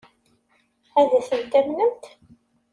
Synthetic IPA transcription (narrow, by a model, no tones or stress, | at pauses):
æðæθənt̪æmnəmt̪